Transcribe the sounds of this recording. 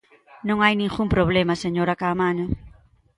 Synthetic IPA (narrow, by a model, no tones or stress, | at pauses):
nõŋajnĩŋxuŋpɾoβlemaseɲoɾakamaɲo